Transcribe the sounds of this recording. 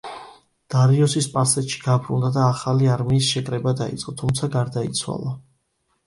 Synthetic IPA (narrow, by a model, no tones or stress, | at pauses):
d̪̥aɾiɔsispʼasɛt̪ʃi̥ɡ̥abɾund̪ad̪aːχaliaɾmiːsʃɛkʼɾɛbad̪aḭt̪sʼqʼɔt̪ʰumt̪sʰaɡaɾd̪ait̪sʰwa̰lˠa